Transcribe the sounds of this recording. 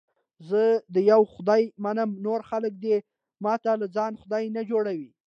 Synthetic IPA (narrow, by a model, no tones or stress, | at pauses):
zəd̪əjawxʊd̪ɑjmanəmnoɾxalək̚d̪e | mɑt̪alad͡zɑnxʊd̪ɑjnad͡ʒoɽawi